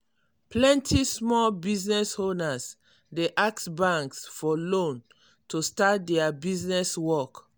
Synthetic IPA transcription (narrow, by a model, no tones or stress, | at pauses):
plɛ̃ntʰismɔlbiznɛsonas | deʔaksbãŋksfɔlõn | tʰustat̚dɛabiznɛswɔk